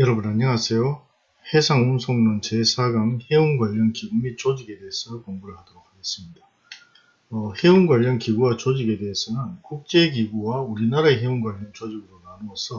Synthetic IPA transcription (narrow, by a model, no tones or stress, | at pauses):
jʌɾʌbunaɲʌŋasʰe̞jo | he̞sʰaŋunsʰoŋnɯnt͡ɕesʰaɡaŋhe̞unɡwaʎːʌnkiɡumit͡ɕ͈od͡ʑiɡe̞de̞es͈ʌkoŋɡuɾɯɭhadʌɾok͈̚aɡes͈ɯmɲida | ʌhe̞unɡwaʎːʌnkiɡuwat͡ɕod͡ʑiɡe̞de̞ːs͈ʰʌnɯnkuk̚t͡ɕ͈e̞ɡiɡuwauɾinaɾaeɦeunɡwaʎːʌnt͡ɕod͡ʑiɡɯɾonanuʌsʰʌ